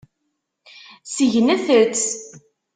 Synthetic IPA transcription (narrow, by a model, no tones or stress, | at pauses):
siʝənæθət͡st͡s